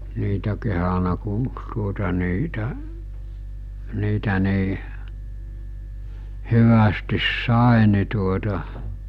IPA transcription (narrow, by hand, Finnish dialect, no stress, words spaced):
niːtæ kehɑnɑ ku tuotɑ niːtæ niːtæ ni̞ː hyʋæstis sɑˑe ni tuotɑ